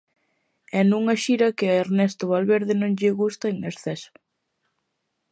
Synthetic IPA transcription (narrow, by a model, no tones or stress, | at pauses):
ɛnuŋɐʃiɾɐkɪɐeɾnɛst̪ʊβalβeɾðɪnõŋʎɪɣust̪ɐeŋneɾθɛs